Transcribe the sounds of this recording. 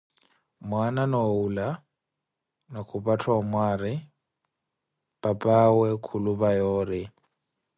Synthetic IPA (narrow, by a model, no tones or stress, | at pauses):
mwananɔula | nakʰʊpʼatʰamwaːɾɪ | b̥apʼawɛkʰulʊbajɔːɾɪ